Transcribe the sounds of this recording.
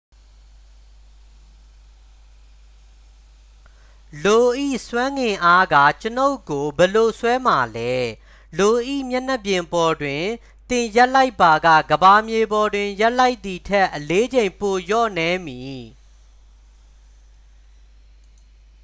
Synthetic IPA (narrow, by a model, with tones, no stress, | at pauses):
lo˨ʔḭ˦˨swã˦ŋɡɪ̃˨ʔa˦ɡa̰˦˨t͡ɕəno˦ʊkːo˨bɛ˨lo˨swɛ˦ma˨lɛ˦ | lo˨ʔḭ˦˨mjɛ˦˨n̥ɛ˦˨pjɪ̃˨mpɔ˨dwɪ̃˨ | t̪ɪ̃˨ja˦ʔla˦ɪpːa˨ɡä̰˦˨ɡəba˨mje˨bɔ˨dwɪ̃˨ja˦ʔla˦ɪʔt̪ːi˨tʰɛ˦ʔəle˦d͡ʑẽ˨ɪ̃mpo˨jɔ̰˦˨nɛ˨˦mji˨